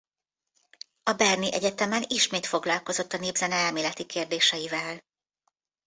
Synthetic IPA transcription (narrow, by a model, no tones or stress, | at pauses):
ɒbɛrniʔɛ̰ɟɛt̪ɛmɛniʃmeːt̪fo̞ɡlɒlko̞zo̞t̪ːɒneːbzɛnɛɛlmeːlɛt̪ikeːrd̪eːʃɛjivɛl